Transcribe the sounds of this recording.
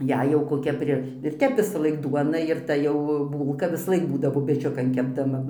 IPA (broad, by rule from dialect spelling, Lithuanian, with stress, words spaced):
ˈjɛɪ jɛʊ koːˈkʲɛ ˈpʲrʲɪ ɪr ˈtʲɛp ʋʲɪsɐˈlˠɐɪk ˈduɔnɐ ɪr ˈtɐ jɛʊ ˈbuːlˠkɐ ʋʲɪsɐˈlˠɐɪk ˈbuːdɐʋoː pʲɛˈt͡ʃʲʊkɐn kʲɛbdɐˈmɐ